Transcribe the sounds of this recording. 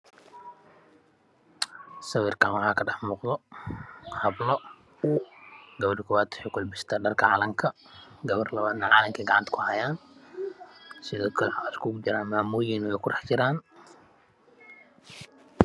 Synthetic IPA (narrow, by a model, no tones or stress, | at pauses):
sɐwiːrkʰaːnwɑħaːkʰɐɖɐħmɔqðɔ | hɐblɔ | ɡɐβɐɖɪkʰʊwaːd̪ʊ̥ħɛkɔlbɪst̪ʰaːɖɐrkʰɐʕɑ̰lɐŋkʰɐ | ɡɐβɐrlɐβaːd̪nɐʕɑlɐŋkʰɛɡɑʕɑnt̪kʰʊhajaːn | sɪðɔːkʰɐlɛʕawalkʰuɡʊd͡ʒɪɾaːnmaːmujɪnwɛjkʰʊrɑħd͡ʒɪɾaːn